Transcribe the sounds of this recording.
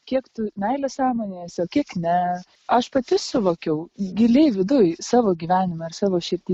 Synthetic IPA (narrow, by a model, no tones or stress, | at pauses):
kʲiɛkt̪ʊmʲɛɪlʲɛsɑːmoːnʲeːsoːkʲiɛknʲɛ | ɐʃpɐt̪ʲɪsʊʋoːkʲɛʊɡʲɪlʲeɪʋʲɪd̪ʊjsɑːʋoːɡʲiːʋʲæːnʲɪmɐɪrsɑːʋoːʃʲɪrʲt̪ʲiː